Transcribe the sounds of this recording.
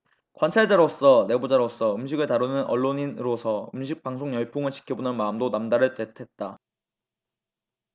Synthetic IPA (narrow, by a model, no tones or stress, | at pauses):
kwant͡ɕʰaɭd͡ʑaɾos͈ʌne̞bud͡ʑaɾos͈ʌɯmɕʰiɡɯɭtaɾunɯnʔʌ̰ɭːoɲinɾosʰʌɯmɕʰik̚paŋsʰoŋjʌɭpʰoŋɯɭt͡ɕʰi̥kʰjʌbonɯnmaɯmdonamdaɾɯɭt͈ʰetʰe̞t̚t͈a